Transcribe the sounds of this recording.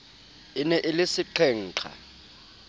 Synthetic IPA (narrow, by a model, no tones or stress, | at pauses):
inɛʔɪlɪsɪǃʰɛŋ̩ːǁʰa̰